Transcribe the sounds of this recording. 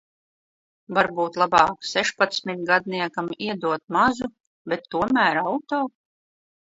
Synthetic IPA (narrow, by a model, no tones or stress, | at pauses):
vaɾbuːt̪lˠabɑːksɛʃpat̪smʲit̪̚ɡad̪̚niɛkamiɛd̪uɔt̪̚mazu | bɛt̪ːuɔmæːɾawt̪oː